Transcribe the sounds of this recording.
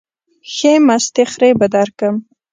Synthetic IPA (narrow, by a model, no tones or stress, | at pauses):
xemast̪exɾebəd̪aɾkəm